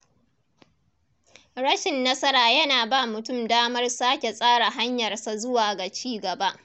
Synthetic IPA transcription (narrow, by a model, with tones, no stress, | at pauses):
ɽɐ˦ʃɪ˨nːɐ˦sɐ˦ɾaː˨jɐ˦naː˨baː˦mʊ˨tʊ˦˨mdaː˦mɐ˦rsaː˦kʲe˨sʼaː˦ɽa˨ɦa˦ɲjɐ˨rsa˨zʊ˦waː˨ɡa˨t͡ʃiː˦ɡɐ˨ba˦ʔ